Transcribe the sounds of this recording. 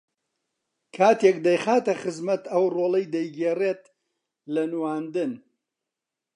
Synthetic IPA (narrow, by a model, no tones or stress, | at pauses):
kʰaːt̪ek̚d̪ɐjxaːt̪ɐχɨzmɐt̪ɐwroːlˠɐjd̪ɐjɡeːret̪̚ | lɐnwaːnd̪ɨn